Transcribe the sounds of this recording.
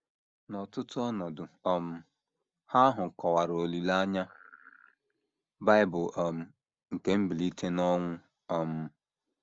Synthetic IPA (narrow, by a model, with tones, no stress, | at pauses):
nɔ˨tʊ˦tʊ˦ɔ˦nɔ˨dʊ˨ɔ˦m̩˨˦ | ha˦ɦʊ˨kɔ˨wa˨ɾo˨li˨la˦ɲa˦ | ba˦ɪ˦bʊ˨ʔɔ˨m̩˨ | ŋ̩˨ke˦m̩˦bi˨li˦te˦nɔ˦ŋʷʊ˦ | ɔ˦m̩˦